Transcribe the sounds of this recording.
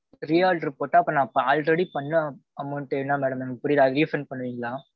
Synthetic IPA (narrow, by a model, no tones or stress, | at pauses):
ɾijaːlɾɪpoːʈːaːɐpːõnãːpːɐ̃aːlɾɛɽipɐɳːɐ̃ɐmɐːʈːeːʋnːaːmeːɽɐmɐnɡpʊɽɪjɾaɐðɪjʊ̃fɾɐnpɐɳːɯʋiːŋɡɐlaː